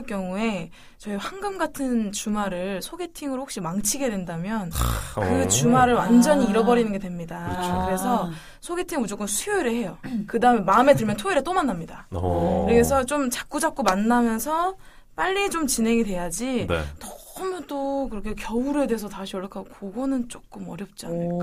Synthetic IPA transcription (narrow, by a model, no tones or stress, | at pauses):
ɭk͈jʌŋue̞ | t͡ɕʌiɸwanɡɯmɡatʰɯnt͡ɕumaɾɯɭsʰoɡe̞tʰiŋɯɾoho̥kɕ͈imaŋt͡ɕʰiɡe̞dwendamjʌnkɯt͡ɕumaɾɯɭwand͡ʑʌɲiːɾʌbʌɾinɯnɡe̞twe̞mɲidakɯɾe̞sʰʌ | sʰoɡe̞tʰiŋud͡ʑok͈ɯmsʰujoiɾɯɭhe̞jʌkɯdaɯmemaɯme̞tɯɭmjʌntʰoiɾet͈omanːamɲidakɾesʰʌt͡ɕ͈omt͡ɕḁk̚k͈ud͡ʑap̚k͈omanːamjʌnsʰʌ | p͈aʎːit͡ɕomt͡ɕine̞ŋidwe̞jad͡ʑin̰tʌmt͈okɯɾʌkʰekjʌuɾe̞de̞ɦes̬ʰʌtaɕʰiʌɭʌkʰaɡokoɡonɯnt͡ɕ͈ok͈ɯmʌɾjʌp̚t͡ɕ͈ia̰na